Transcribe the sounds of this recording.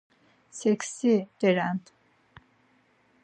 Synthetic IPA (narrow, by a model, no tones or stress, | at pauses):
sɛksid̪̥ɛɾænt̪